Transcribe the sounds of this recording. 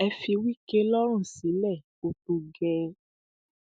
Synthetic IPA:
ɛ˧fi˧wi˦ke˦lɔ˦ɾ̃ũ˦˨si˨˦lɛ˦˨ | o˧tu˧ɡɛ̃˧

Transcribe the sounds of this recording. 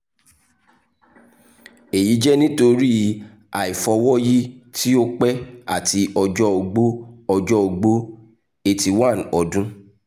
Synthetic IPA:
e˨ji˨˦d͡ʒɛ˦nĩ˦to˧ɾi˦˨˦ | a˨i˨fɔ˧wɔ˦ji˦tʰi˦o˦k͡pɛ˦a̰˦˨ti˧ʔɔ˧d͡ʒɔ˦o˧ɡ͡bo˦ɔ˧d͡ʒɔ˦o˨ɡ͡bo˦ | e˧ti˧wã˦˨nɔ˨˧dũ˦

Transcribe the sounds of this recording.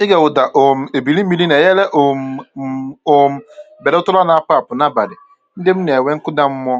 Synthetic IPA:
ɪ˦ɡɛ˨wʊ˨da˨ʔo˨m̩˨e˨bi˨li˦i˦li˦ne˨jɛ˦lɛ˦ʔo˨m | o˨m̩˨ | bɛ˨ɾɛ˦tʊ˦la˦na˨pa˦˨pʊ˨na˦ba˨lɪ˨ | n̩˦dɪ˦m̩˦n˨e˨we˦ŋ̩˦kʊ˦da˦m̩˦mɔ˦

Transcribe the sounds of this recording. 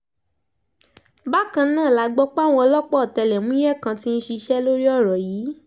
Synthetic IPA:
ba˦kã˧nãː˦˨la˨˦ɡ͡bɔ˦k͡pa˦˨w̃ɔ̃˧ɔ˧lɔ˦k͡pɔ˦ɔ˨tɛ˧lɛ˨mũ˨˦i˦jɛ˦˨kã˧ti˦n̩˦ʃi˧ʃɛ˦lo˦ɾi˦ɔ˦˨ɾɔ˨jiː˨˦

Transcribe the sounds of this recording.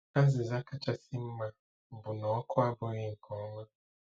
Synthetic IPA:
a˦zi˨za˦ka˦t͡ʃa˦si˦m̩˦ma˦ | m̩˨bʊ˨nɔ˨˦kɔ˦a˦bɔ˦ɾi˦˨ŋ̩˨kʰɔ˨˦ŋa˦

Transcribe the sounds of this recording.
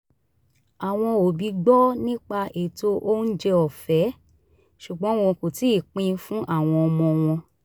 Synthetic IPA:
a˨w̃ɔ̃˧o˨bi˨˧˦ɡ͡bɔ˦nĩ˦k͡pa˧ʔe˨to˧ʔo˦n̩˦d͡ʒe˧ɔ˨fɛ˨˦ | ʃu˨ɡ͡bɔ̃˨˦wɔ̃˧ko˨ti˨˦i˦˨k͡pĩ˧˦fũ˦ʔa˦˨w̃ɔ̃˧ɔ˧mɔ̃˧w̃ɔ̃˧

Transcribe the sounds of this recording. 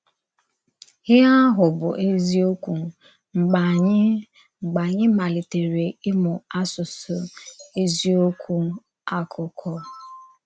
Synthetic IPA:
hɪ˦a˦ɦʊ˨bʊ̰˨ʔe˦zi˦o˦kʷu˨ | ŋ͡m̩˨ɡ͡ba˨ɲ˦ | ŋ͡m̩˨ɡ͡ba˨ɲɪ˦ma˨li˨te˨ɾe˨ɪ˦mʊ˨a˦sʊ˨so˨e˦zi˦o˦kʷu˦ | a˦kʰʊ˨kʰɔ˦

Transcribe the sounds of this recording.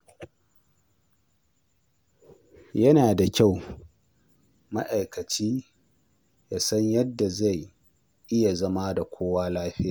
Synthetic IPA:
jɐ˦naː˨da˨kʲa˦˨w | mɐ˦ʔa˨jkɐ˨t͡ʃiː˦ | jaː˦sɐ˦ɲjɐ˦dːa˨za˦˨j | ʔɪ˦ja˨zɐ˦ma˦da˨kʷʰoː˦waː˦laː˦ɸɪ˦jaː˨

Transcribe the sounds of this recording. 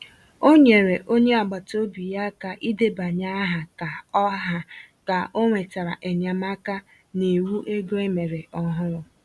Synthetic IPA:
o˦ɲe˨ɾe˨ʔo˦ɲe˦a˨ɡ͡ba˨to˦bi˨ja˦ka˨ʔi˦de˦ba˨ɲa˦ɦa˨ka˨ɔ˦ɦa˨ka˨ʔo˦ŋʷe˨ta˨ɾa̰˨ʔe˨ɲa˨m˦a˦ka˦ | ne˨wu˦ʔe˦ɡo˦e˦me˨ɾe˨ɔ˦ɦʊ˦ɾʊ˨

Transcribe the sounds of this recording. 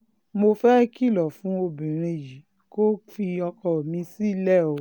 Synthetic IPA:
mo˧fɛ˦ki˦˨lɔ˨fũ˨˦o˧bĩ˨ɾ̃ẽ˧˨ji˨ | ko˦fi˧ɔ˧kɔ˧˨mĩ˧˦si˦lɛ˦˨o˨

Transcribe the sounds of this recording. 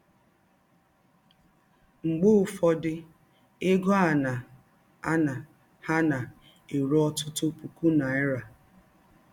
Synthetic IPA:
ŋ͡m̩˨ɡ͡bʊ˦ʊ˨fɔ˦dɪ˦ | ɪ˦ɡɔ˦a˨na˨ | a˦na˨ | ha˦na˨ | e˨ɾɔ˦tʊ˦tʊ˦pu˨ku˦na˨ɪ˦ɾa˨

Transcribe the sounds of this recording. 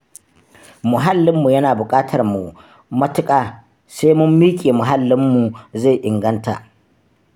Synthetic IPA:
mʊ˨ɦa˦lːɪ˦mːu˨jɐ˦naː˨bʊ˨kʼaː˦tʰɐ˨rmu˨ | mɐ˦tʊ˦kʼaː˦ | seː˦mʊ˦mːiː˦kʲʼeː˨mʊ˨ɦa˦lːɪ˦mːu˨ze˦˨jʔɪ˨ŋɡɐ˦nta̰˨ʔ

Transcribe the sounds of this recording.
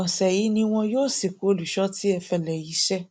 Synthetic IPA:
ɔ̃˨sɛ˨ji˨˦nĩ˧w̃ɔ̃˧joː˦˨si˨ko˨˦lu˨ʃɔ˦ti˦ɛ˧fɛ˧˨lɛ˨ji˨˦ʃɛ˦

